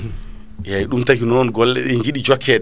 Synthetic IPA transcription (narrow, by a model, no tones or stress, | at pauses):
jajɗumtakinɔnɡɔlːɛ̰ɗɛŋɡiɗid͡ʒɔkʰːɛɗ